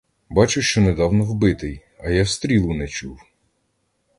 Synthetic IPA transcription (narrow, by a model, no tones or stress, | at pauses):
bɑt͡ʃʊʃt͡ʃɔnɛd̪ɑwnɔwbɪt̪ɪj | ɐjawst̪ɾʲilˠʊnɛt͡ʃuw